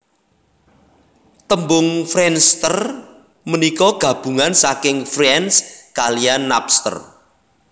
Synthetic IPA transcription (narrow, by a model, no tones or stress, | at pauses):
t̪əmbʊŋfɾɛnst̪ər | mənikɔɡ̥ä̤b̥ṳŋansakɪŋfrɛnskalianːapst̪ə̰r